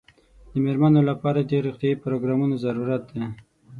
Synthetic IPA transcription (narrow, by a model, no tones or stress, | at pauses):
d̪əmeɾmanolapɑɾadeɾiqt̪jɑipɾoɡɾɑmunazaɾuɾat̪̚d̪e